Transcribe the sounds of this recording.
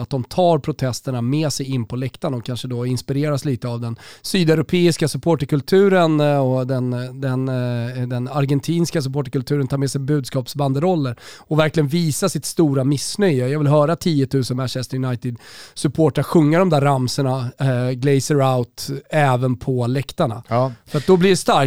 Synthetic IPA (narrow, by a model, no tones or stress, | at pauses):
at̪̚d̪ɔmt̪ʰɑːɾpʰɾʊt̪ʰɛst̪əɳameːsɛjɪnːpʰɔlɛkt̪anɔkʰːanʂəd̪ɔɪnspɪɾeːɾasliːt̪əavd̪ɛnsyːd̪ɛɾʊpʰeːɪskasɵpʰoːʈəɾkɵlt̪ʰʉ̟ːɾənɔd̪ɛnd̪ɛnd̪ɛnaɾɡɛnt̪ʰiːnskas̬ɵpoːʈəɾkɵlt̪ʰʉ̟ːɾənt̪ʰɑːɾmɛːsɛjbʉ̟ːd̪skɑːpsband̪əɾɔlːəɾɔvæɾklɪɡənviːsasɪt̪st̪uːɾamɪsnœjjɑːɡvɪlɦœːɾat̪ʰiːət̪ʰʉ̟ːsənmænʃɛst̪əɾjʊnajt̪ɪd̪sɵpʰoːʈaɧɵŋːaɖɔmd̪æɾːamsəɳaɡlɛɪsəɾaʊt̪ɛːvənpʰɔlɛkt̪aɳa̰fəɾat̪̚d̪ɔblɪɖɛst̪aɾk